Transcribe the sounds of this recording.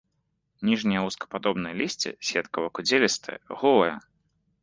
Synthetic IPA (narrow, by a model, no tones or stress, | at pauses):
nʲiʐnʲijɐuskɐ̥pad̪ɔbnɨjɐlʲisʲt͡sʲḭsʲvʲɛt̪kɐvɐkud͡zʲelʲist̪ʰɨ̰jɐ̰ɣɔlˠɐjɐ̰